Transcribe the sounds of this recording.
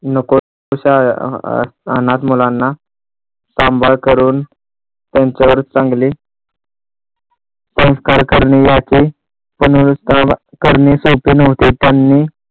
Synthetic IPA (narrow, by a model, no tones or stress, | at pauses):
nəko | oɕa̰ | a̰nat̪mulanːa | sambʱaɭkəɾuːn | t̪jãɲt͡ɕaʋəɾt͡sãŋɡliː | sə̃w̃skaɾkəɾɳijat͡ɕi | pənut̪ã | kəɾɳisopiːnoʋt̪it̪janːiː